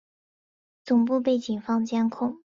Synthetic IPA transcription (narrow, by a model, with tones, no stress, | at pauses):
t͡sʊ˨˩ŋp̬u˥˧p̬e˥˩ɪt͡ɕi˨˩nfɑ˥ŋt͡ɕjɛ˥nkʰʊ˥˩ŋ